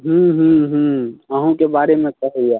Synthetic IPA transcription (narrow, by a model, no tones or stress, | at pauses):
ɦũɦũɦũəɦũkebaːɾemẽt͡ʃəɦɛja